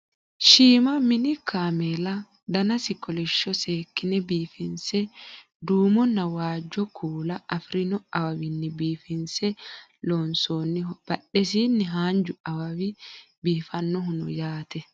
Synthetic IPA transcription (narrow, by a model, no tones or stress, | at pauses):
ʃiːmɐmɪnɪkaːmelɐ | d̪ɐnɐsɪkɔlɛʃːɔseːkːɪnɛbiːfɪnsɛ | d̪uːmɔnːɐwaːd͡ʒːɔkʰuːlɐʔɐfɾɪnɔɐwɐwɪnːɪbiːfɪnsɛ | loːnsoːnːɪhɔb̥ɐɗɛs̬iːnːɪɦaːnd͡ʒʊɐwɐwɪ | biːfɐnːɔɦʊnʊ̰jaːt̪ɛ